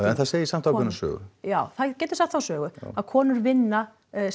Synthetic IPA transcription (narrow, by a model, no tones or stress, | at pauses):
ɛnθaðseːjɪisam̥t̪ʰawkʏnasœ̰ːɣʏ̰jaːwθaðcɛːt̪ʏ̥st̪aθawsœːɣʏaðkʰɔːnʏɾvɪnːa